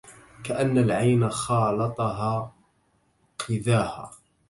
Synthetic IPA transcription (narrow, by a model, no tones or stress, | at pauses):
kaʔanːalʕajnaxɑːlɑt̪ˤɑɦaː | qʰɪðaːha̰ː